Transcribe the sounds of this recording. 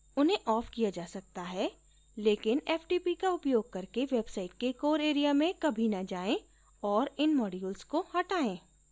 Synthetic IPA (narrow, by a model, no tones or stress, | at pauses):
ʊnɦẽʔɔːfkijad͡ʒaːsɐk̚t̪aɦɛ | leːkɪnɛːfʈiːpikaʊpjoːɡ̚kɐɾkeʋeːbsaːɪʈ̚kekoːɾeːɾijamẽkɐbʱinɐd͡ʒaːẽ | ɔːɾɪnmɔːɖiʊlskohɐʈaːẽː